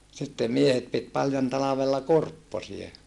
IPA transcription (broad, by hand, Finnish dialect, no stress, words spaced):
sitːem miehet pit pɑljon tɑlɑʋelːɑ kurpːosie